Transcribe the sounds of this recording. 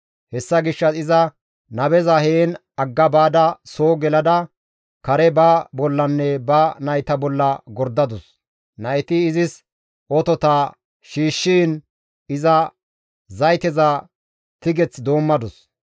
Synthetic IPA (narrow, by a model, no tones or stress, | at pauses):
hɛsːɐɡɪʃːɐɪzɐ | nɐbɛzɐheːn | ɐɡːɐbaːd̪ɐso̞ːɡɛlɐd̪ɐ | kɐɾɛbɐbɔlːɐnːɛbɐnɐjt̪ɐbɔlːɐɡɔɾd̪ɐd̪ɔs | nɐjt̪ɪːzɪs | ɔt̪ɔt̪aː | ʃiːʃːiːn | ɪzɐ | zɐjt̪ɛza | t̪ɪɡɛt͡sd̪o̞ːmːɐd̪ɔs